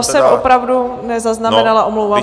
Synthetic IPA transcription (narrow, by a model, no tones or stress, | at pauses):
sɛmopɾavdunɛzaznamɛnalaʔomlowvaːm